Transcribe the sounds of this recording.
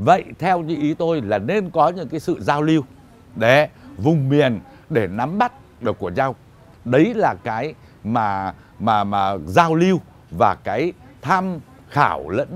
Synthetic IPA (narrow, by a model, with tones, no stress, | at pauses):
və̰˧˨jt̪ʰɛ˧wt͡ɕḭ˧˨ʔi˨˦t̪o˧jlaː˨˩ne˧nkɔ˨˦ɲɨ̰˧˥ŋkaː˨˦jsɨ̰˧˨zaː˧wli˧ə˧w | ɗe˧˩vʊ˨˩ŋ͡mmi˨˩ən | ɗe˧˩na˨˦mɓa˦˥t̚ | ɗɨː˨˩əkːu˧˩əɲa˧w | ɗə˨˦jlaː˨˩kaː˨˦j | maː˨˩ | maː˨˩maː˨˩zaː˧wli˧əw | vaː˨˩kaː˨˦j | t̪ʰaː˧m | xaː˧˩wlə̰˧˥n